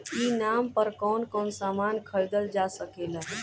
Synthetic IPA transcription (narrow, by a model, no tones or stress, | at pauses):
inampəɾkɔːnkɔːnsaːmankʰəɭd̪əld͡ʒasəkeləɦ